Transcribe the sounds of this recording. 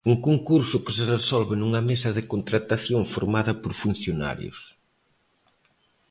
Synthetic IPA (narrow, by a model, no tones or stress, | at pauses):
uŋkoŋkuɾsʊkɪseresɔlβɪnuŋɐmesɐðɪkont̪ɾat̪aθjoŋfoɾmaðɐpoɾfun̟θjona̰ɾjʊ̰s